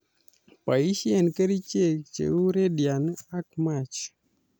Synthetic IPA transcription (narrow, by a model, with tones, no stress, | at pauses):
pa˨i˦ʃi˦ɛ˦˨nkə˦ɾi˦t͡ʃe˦k̚t͡ʃḛ˨u˦ɾe˦di˨a˨na˦k̚ma˨t͡ʃ